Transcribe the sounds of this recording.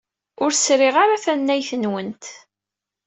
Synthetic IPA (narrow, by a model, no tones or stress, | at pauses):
ʊɾsɾɪʁaɾaθænːæjθənwənt̪